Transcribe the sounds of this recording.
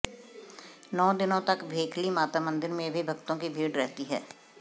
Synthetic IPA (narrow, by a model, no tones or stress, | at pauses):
nɔːd̪ɪnõt̪ɐkbʱeːkʰlimaːt̪amə̃nd̪ɪɾmẽbʱibʱɐkt̪õkibʱiːɖɾɛɦt̪iɦɛ̰ː